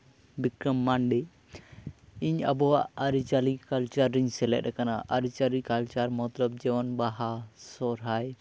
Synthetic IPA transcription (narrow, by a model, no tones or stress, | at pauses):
bikɾəmːanɖɛ | iɲabɔwaʔaɾit͡ʃalikalt͡ʃaɾːiɲsɛlɛ̰ʔ̚ɾɛkanaʔaɾit͡ʃalikalt͡ʃaɾmɔt̪lɔb̚d͡ʒɛwɔnbaɦasɔɾɦaj